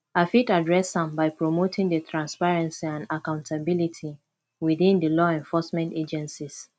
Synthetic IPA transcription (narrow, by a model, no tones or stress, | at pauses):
afitadɹɛsãmbaɪpɹomotʰĩŋdətʰɹãnspaɹɛ̃nsiãnakãʊ̃ntʰabilitʰi | wiðĩndəlɔɛ̃ɱfɔsmɛ̃nted͡ʒɛ̃nsis